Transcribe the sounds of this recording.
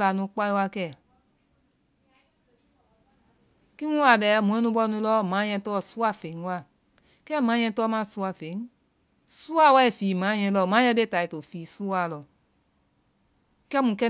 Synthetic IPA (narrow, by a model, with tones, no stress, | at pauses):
la˨nũ˧˦k͡pa˧˦ĩ˦˧wa˧kɛ˦˨ | kĩ˦mũ˦wa˨bɛː˨˦mũ˨ɛ̃˦nũ˧˦ɓɔ˧˦nũ˧˦lɔ˦mãː˨˦ɲɛ̃˧˦tɔː˦˨su˦a˧˨fẽ˨˦wa˦˨ | kɛ˦˨mãː˨˦ɲ̃ɛ̃˧˦tɔː˦mã˦˨su˧˦a˧˨fe˨˦ | su˦a˦˨˦wɛ˦i˨fiː˨mãː˨˦ɲɛ̃˧˦lɔ˧˨mã˨˦ɛ̃˧˦be˦ta˨i˨to˨fiː˨˦su˦wa˧˨lɔ˨ | kɛ˦mũ˨kɛ˦